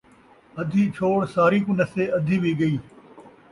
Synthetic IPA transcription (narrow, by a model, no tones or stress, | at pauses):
ɐd̪ʱiːt͡ʃʰoːɽsaːɾiːkũnəseːʔɐd̪ʱiːbʱiːɡɐiː